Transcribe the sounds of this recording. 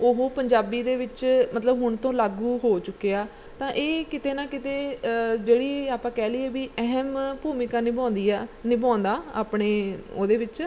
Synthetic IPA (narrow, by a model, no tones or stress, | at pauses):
oɦoːpəɲd͡ʒaːbiːd̪eːʋɪt͡ʃmət̪ləbɦʊɳt̪õːlaːɡuːɦoːt͡ʃʊkːeaː | t̪ãːʔeːkɪt̪eːnãːkɪt̪eːd͡ʒeːɽiːaːpãːkɛːliːeːbiːɛɦmpuːmɪkãːnɪbãːnd̪iːaːnɪbãːnd̪aːa̰ːpɳeːoːd̪eːʋɪt͡ʃ